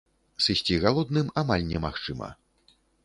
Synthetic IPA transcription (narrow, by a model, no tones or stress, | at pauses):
sɨsʲt͡sʲiɣalˠɔd̪nɨmamalʲnʲɛmaxt͡ʂɨmɐ̰